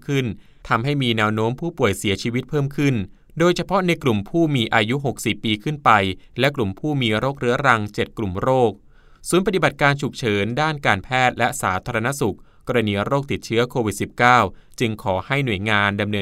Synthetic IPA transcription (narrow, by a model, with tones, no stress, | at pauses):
kʰɯ˥˩n | t̪ʰa˧mɦa˥˩jmiː˧nɛː˧wnoː˦˥mpʰuː˥˩pu˨˩əjsi˩˦ɐt͡ɕʰiː˧wi˦˥t̪̚pʰɤː˥˩mkʰɯ˥˩n | doː˧jt͡ɕʰa˧pʰɔ˦˥na˧jklu˨˩mpʰuː˥˩miː˧ʔaː˧ju˦˥ɦo˨˩k̚si˨˩pːiː˧kʰɯ˥˩npa˧jlɛ˦˥klu˨˩mpʰuː˥˩miː˧ɾoː˥˩k̚ɾɯ˦˥ɐɾa˧ŋt͡ɕe˨˩t̪̚klu˨˩mɾoː˥˩k̚ | suː˩˦npa˧t̪i˨˩ba˨˩t̪̚kaː˧nt͡ɕʰu˨˩k̚t͡ɕʰɤː˩˦ndaː˥˩nkaː˧npʰɛː˥˩t̪̚lɛ˦˥ʔsaː˩˦t̪ʰaː˧ɾa˧na˦˥su˨˩k̚kːɔː˧ɾa˧niː˧ɾoː˥˩k̚t̪i˨˩t̪̚t͡ɕʰɯ˦˥ɐkʰoː˧wi˨˩t̪̚si˨˩p̚kaː˥˩wt͡ɕɯ˧ŋkʰɔː˩˦ha˥˩jnu˨˩əjŋaː˧nda˧mnɤː˧